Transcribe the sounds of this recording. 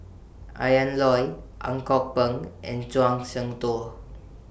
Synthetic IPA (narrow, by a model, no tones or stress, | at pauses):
ʔa̰jənlɔj | ʔa̰ŋkɔk̚pəŋʔɛ̰̃nt͡swaŋsəŋt̪o